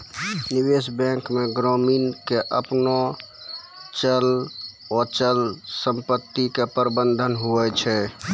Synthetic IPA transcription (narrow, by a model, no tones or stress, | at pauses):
nibesbɛ̃kmeɡɾɔminkeʔəpno | t͡ʃəl | ot͡ʃəlsəmpət̪ːikepəɾbənd̪ʱənɦuɛt͡ʃʰɛ